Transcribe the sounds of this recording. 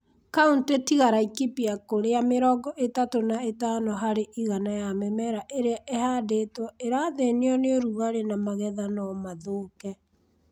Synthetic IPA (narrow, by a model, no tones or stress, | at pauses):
kauntetiɣaɾaikipiakoɾeameɾɔɡɔʔetatonaetanoɦaɾeʔiɣanajamɛmɛɾaʔeɾeaʔehaːdetwɔeɾaðeneɔneoɾuɣaɾenamaɣɛðanɔmaðoːkɛ